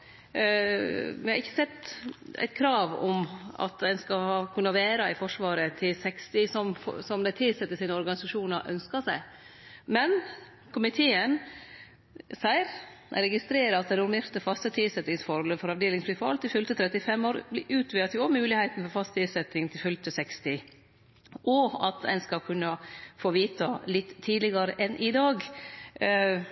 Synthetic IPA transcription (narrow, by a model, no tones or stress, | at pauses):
ʋɪhɑɾɪçːəsɛt̪ːæ̰ɪt̪̚kʰɾɑːʋɔ̰mɑ̰t̪d̪æɪnskɑhɑkʰʉnːəɑʋæːɾɑɪfɔʂʋɑːɾət̪ʰɪlsɛkst̪ɪsɔmfsɔmd̪æɪt̪ʰɪlsɛt̪ːəsiːnəɔɾɡɑnɪsɑʂuːnəɾʔœ̰nskɑsæɪ | mɛn | kʰʊmɪt̪ʰeːən | sæɪɾ | ɾɛɡɪst̪ɾeːɾəɑt̪̚d̪ɛnʊɾmeːɾt̪əfɑst̪ət̪ʰɪsɛt̪ːɪŋsfɔɾhɔləfɔɾɑʋd̪eːlɪŋspɪfɑlt̪ɪlfʏlt̪ət̪ʰɾɛt̪ːɪfɛmːoːɾblɪʔʉːt̪ʰʋɪɑt̪ʰjʊɔmʉːlɪhæɪt̪n̩fɔɾfɑst̪ɪlsɛt̪ːɪŋt̪ʰɪlfʏlt̪əsɛkst̪ɪ | ʔɔɑt̪æ̰ɪnskɑlkʰʉnːəfoːʋiːt̪ɑlɪt̪ʰːiːdlɪɡɑɾəʔɛnʔɪd̪ɑːɡ